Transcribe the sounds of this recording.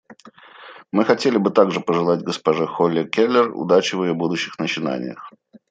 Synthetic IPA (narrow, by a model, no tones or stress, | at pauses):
mɨxɐtʲelʲɪbɨt̪aɡʐɨpəʐɨlˠatʲɡəspɐʐɨxolʲːɪkʲelʲːɪrʊ̰d̪at͡ɕɪvɨjobud̪ʊɕːɪxnət͡ɕɪna̰nʲɪ̰jə̰x